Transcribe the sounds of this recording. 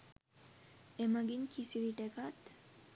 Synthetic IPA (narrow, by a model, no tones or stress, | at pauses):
eməɡiŋkʰisiʋiʈekat̪